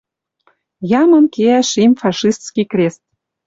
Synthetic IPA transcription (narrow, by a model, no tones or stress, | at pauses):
jɑmə̆nkeæʃimfɑʃist̪skikrʲest̪̚